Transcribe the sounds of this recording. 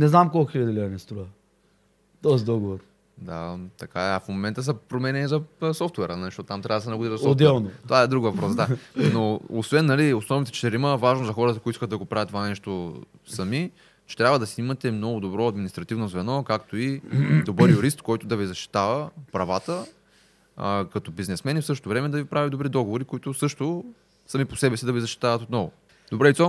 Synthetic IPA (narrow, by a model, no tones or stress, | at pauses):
nɛznamkɔlˠkxilʲɐd̪ilʲiɐnɛst̪ɾuə | t̪ɔzid̪ɔɡovoɾ | d̪at̪ɐkaɛɐfmomɛnt̪əsɐpɾomɛnɛnizɐsɔft̪wɛɾənɐliʃt̪ɔt̪ːt̪amt̪ɾavd̪sɛnɐɡʊd̪iɾsod̪ɛlˠnot̪ovaɛd̪ɾuɡvɐpɾɔsd̪anoosvɛnːɐliosnɔvnit̪ɛt͡ʃɛ̥t̪ɛɾiməvaʒnozɐxɔɾət̪ɐkot̪iskət̪d̪ɐɡopɾavʲjət̪ːovanɛʃt̪o | sɐmi | t͡ʃɛ̥t̪ɾʲabvəd̪ɐsiimɐt̪ɛmnɔɡʊd̪obɾɔɐd̪minist̪ɾɐt̪ivnozvɛnɔkakt̪oid̪obɤɾjʊɾist̪kɔjt̪ʊd̪ɐvizɐʃt̪i̥t̪avəpɾɐvat̪ə | kɐt̪ɔbiznɛsmɛnifsɤʃt̪ot̪ovɾɛmɛd̪ɐvipɾavʲid̪obɾid̪ɔɡovoɾikoit̪ʊsɤʃt̪ʊ | sɐmiposɛbɛsid̪ɐvizɐʃt̪i̥t̪avɐt̪ot̪nɔvʊ̰ | d̪obɾɛlit̪sɔ